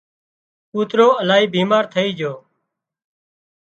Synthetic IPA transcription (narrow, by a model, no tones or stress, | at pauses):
puːt̪ɾoːəlaːɦiːbiːmaːɾt̪ʰəiːd͡ʒoː